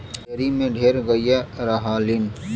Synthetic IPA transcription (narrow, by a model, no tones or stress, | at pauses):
ɐɾimẽɖʱeːɾɡɐijɛɾaɦaːlɪn